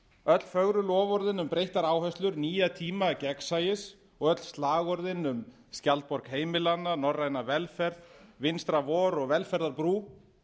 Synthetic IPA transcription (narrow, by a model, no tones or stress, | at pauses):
œt̪lfœɣɾʏlɔːvɔɾðɪnʏmpɾejht̪aɾaːwhœst̪lʏɾniːjat̪ʰiːmacɛksajɪs | ɔɣœt̪l̥st̪laːɣɔɾðɪnʏm | scalt̪̚pɔɾkheːjmɪlanːanɔrːajnavɛlfɛɾðvɪnst̪ɾavɔːɾɔɣvɛlfɛɾðaɾpɾuː